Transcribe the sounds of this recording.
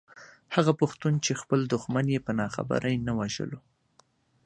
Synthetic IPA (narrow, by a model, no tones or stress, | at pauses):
haɣapʊxt̪unt͡ʃexpəld̪ʊxmanjepənɑxa̰bə̰ɾʔajnawaʒə̰lo